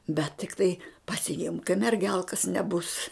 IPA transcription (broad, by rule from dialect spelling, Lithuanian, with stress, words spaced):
bʲɛt tʲɪkˈtɐɪ pɐsʲɪˈɪmk kɐɪ mʲɛrʲˈɡʲɛlˠkɐs nʲɛˈbʊs